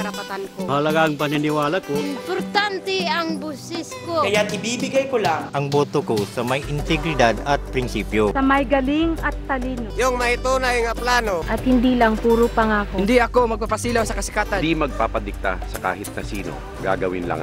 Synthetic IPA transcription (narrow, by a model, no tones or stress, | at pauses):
ɐɾɐpɐt̪ankohɐlɐɡaɐŋpɐnɪnɪwaːlɐkoɪmpoɾt̪ant̪ɛɐŋbusɪskokɐjaɪbibɪɡajkolaŋʔɐŋboːt̪okosɐmɐjʔɪnt̪ɛɡɾɪd̪ad̪ɐt̪̚pɾɪnsiːpjosɐmajɡɐliŋɐt̪ːɐliːnojʊŋmɐjt̪uːnajŋɐplaːnoʔɐt̪hɪnd̪iːlɐŋpuːɾʊpɐŋaːkond̪iʔɐko̞mɐɡ̚papɐsiːlawsɐkɐsɪkaːt̪and̪imɐɡ̚papɐd̪ɪk̚t̪a̰sɐka̰ːhɪt̪̚kɐsiːno̰ | ɡa̰ɡɐ̰wɪ̰nla̰ŋ